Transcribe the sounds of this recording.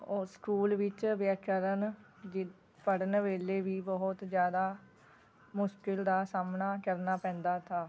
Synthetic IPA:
oskuːlʋɪt͡ʃʋaːkəɾən | d͡ʒɪ | pəɽənʋeːleːʋiːbɔɦʊt̪d͡ʒjaːd̪aː | mʊʃkɪld̪aːsaːmnaːkəɾnaːpɛ̃ːnd̪aːt̪ʰaː

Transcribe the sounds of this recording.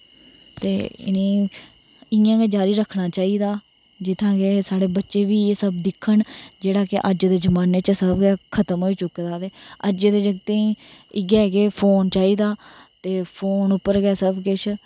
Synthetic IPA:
t̪eːɪ̰nẽː | ɪjãːɡeːd͡ʒaːɾiːɾəkʰɳaːt͡ʃaːiːd̪aː | d͡ʒɪt̪ʰãːɡeːsaːɽeːbətːʃeːʋiːeːsəbd̪ɪkʰːəɳd͡ʒeːɽaːkɪʔəd͡ʒd̪eːd͡ʒəmaːneːt͡ʃəsəbɡɛːkʰət̪əmɦoːiːt͡ʃʊkːd̪aːt̪eːəɾd͡ʒeːd̪eːd͡ʒəɡt̪ẽɪɡɛːɡeːpʰoːnt͡ʃaːiːd̪aːt̪eːpʰoːnʊpːəɾɡɛːsəbkɪt͡ʃʰ

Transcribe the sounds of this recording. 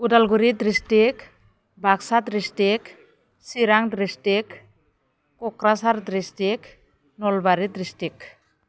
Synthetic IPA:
udalɡuɾid̪ɾisʈik | bʱaksat̪ɾisʈik | siɾaŋdɾisʈik | kɔkɾasaɾd̪ɾisʈik | nɔlbaɾid̪ɾisʈik̚

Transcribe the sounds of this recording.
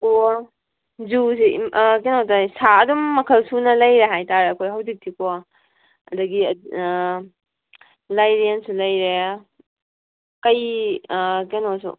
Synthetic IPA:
ko | d͡ʒusik̬enotasaɐdumːɐkʰɐlsunɐlɐjɾeɦajtaɾeɐkʰojɦɐwzik̚tʰikʰo | ɐ̰dɐɡi | lajɾiensulɐjɾe | kɐj | kenosṵ

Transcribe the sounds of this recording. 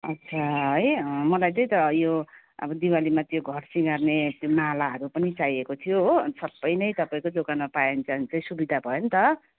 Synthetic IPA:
ʌtːt͡sʰaɦʌjmʌlajt͡sʌj̃t̪ʌjo | ʌ̰bʌd̪iwalimat̪joɡʱʌrsiŋarnet̪jomalaɦʌɾupʌnit͡sajekot̪ʰijoɦsʌbːʌjnʌjt̪ʌpaĩkod͡zokanmapajent͡sʌnt͡saĩsubid̪ʱabʱʌjont̪ʌ

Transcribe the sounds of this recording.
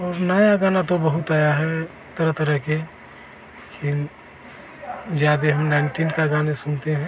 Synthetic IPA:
ɔːɾnɐjaɡaːnat̪obəɦʊt̪aːjaɦɛʊt̪ːəɾət̪əɾəɦke | kʰin | d͡ʒjaːd̪eɦɐmnaɪɳʈiːnkaɡaːnesʊnt̪eɦɛ̃

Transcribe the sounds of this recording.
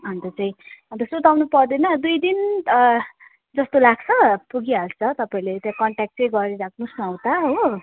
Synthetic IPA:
ɦʌnt̪ʌt͡saĩɦʌnt̪ʌsot̪awnupʌrd̪enʌd̪ujd̪in | d͡zʌst̪olaɡ̚t͡sʰʌpuɡialt͡sʰʌt̪ʌpaĩlet̪jãkʌɳʈak̚ʈt͡sʌj̃ɡʌɾiɾakʰnusnʌwt̪aɦo

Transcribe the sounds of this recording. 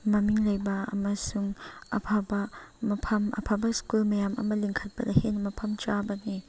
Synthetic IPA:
mɐmiŋlɐjbɐɐ̰mɐsuŋɐpʰabɐmɐpʰɐmɐ̰pʰabɐskulmɐjamɐ̰mɐliŋkʰɐt̚bɐdɐhenmɐpʰɐmt͡ʃabɐni

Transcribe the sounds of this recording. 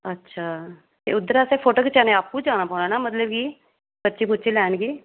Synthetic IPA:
ətːʃʰaː | t̪ḛːʊd̪ːəɾaːseːpʰoːʈoːket͡ʃɛːnẽaːp̚kũd͡ʒaːnaːpɔːʊnaːnaːmət̪ləbkiː | bətːʃiːpʊtːt͡ʃiːlɛːnɡiː

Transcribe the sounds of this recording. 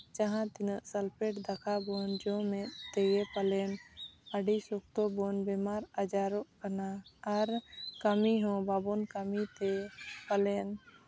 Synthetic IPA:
t͡ʃaɦãt̪inəʔsəlpʰeʈd̪əkʰabɔnd͡ʒɔmɛ̃t̪ɛɡɛpalɛnəɖisʊk̚ʰt̪ɔbɔnbɛmaɾad͡ʒaɾɔʔkənaːɾkəmiɦɔ̃babɔnkəmit̪ɛpalɛn

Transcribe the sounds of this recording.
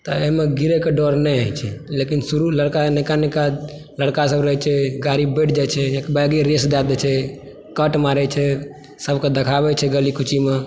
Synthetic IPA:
t̪ɔeɦmeɡiɾekeɖɔɾnɛəjt͡ʃʰɛlekinsuɾuləɽkanɛkanɛka | ləɽkasəbɾəɦɛt͡ʃʰɛɡaɾibəʈ̚ʰd͡ʒat͡ʃʰɛekbaɡiɾesd̪ad̪ɛt͡ʃʰɛ | kəʈmaɾɛt͡ʃʰɛ | səbʱked̪ekʰabɛt͡ʃʰɛɡəlikʰut͡ʃʰime

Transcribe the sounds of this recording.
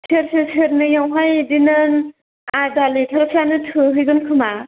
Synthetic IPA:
sʰeɾsɯsʰɯɾnɯjawɦajdinɯn | adalitʰaɾɯk̚sanɯtʰɯɦɯjɡɯnkʰɯma

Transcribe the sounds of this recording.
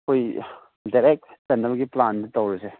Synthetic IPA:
kʰoj | daɾek̚tsɐnːɐbɐɡiplandɐtɐwɾɐse

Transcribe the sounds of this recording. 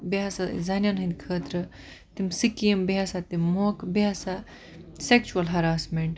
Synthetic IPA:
biasa̰zɐnjanɦɨ̃nd̪ʲkʰəːt̪ɾə | t̪imsikiembiasat̪imːoːkbiasa | sekt͡ʃuɐlɦɐɾaːsmeɳʈ

